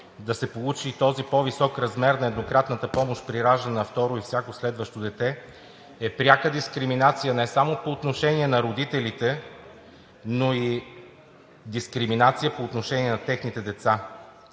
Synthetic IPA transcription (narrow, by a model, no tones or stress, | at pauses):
d̪ɐsɛpolˠut͡ʃit̪ɔzipɔvisɔkɾɐzmɛɾnɐɛd̪nokɾat̪nət̪əpɔmoʃt̪pɾiɾaʒənɐft̪ɔɾoifsʲjakoslɛd̪vəʃt̪od̪ɛt̪ɛ | ɛpɾʲakəd̪iskɾiminat̪sijənɛsamopoːt̪noʃɛniɛnɐɾod̪it̪ɛlit̪ɛ | noi | d̪iskɾiminat̪sijəpoːt̪noʃɛniɛnɐt̪ɛxnit̪ɛd̪ɛt̪sa